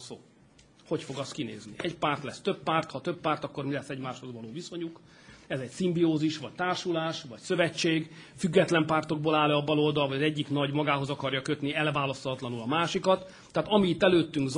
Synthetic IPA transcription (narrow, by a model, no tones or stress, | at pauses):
soː | ho̞cfo̞ɡɒskinḛːznḭʔɛcpaːrt̪lɛst̪øpːaːrt̪hɒt̪øpːaːrt̪ɒkːo̞rmilɛsːɛɟmaːʃho̞zʋɒloːviso̞ɲuk | ɛzɛcsimbioːziʃʋɒc̚t̪aːrʃulaːʃʋɒcsø̞vɛt͡ʃːeːɡfyɡːɛt̪lɛmpaːrt̪o̞ɡ̚boːlaːlɛːbɒlo̞ld̪ɒlɦoɒzɛɟːikn̪ɒɟmɒɡaːɦo̞zɒkɒrjɒkøt̪niɛlvaːlɒst̪ːt̪lɒnulɒmaːʃikɒt̪ː | aːt̪ɒmiːt̪ːɛløːt̪ːyŋɡz